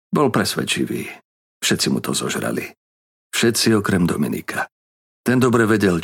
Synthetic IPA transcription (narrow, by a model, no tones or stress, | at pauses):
bɔlpɾɛsʋɛ̰t͡ʃiʋḭː | fʃɛt̪t͡simut̪ʰɔzɔʒɾa̰li | fʃɛt̪t͡siɔkɾɛmd̪ɔmḭnḭkʰa | t̪ɛnd̪ɔbɾɛʋɛɟɛl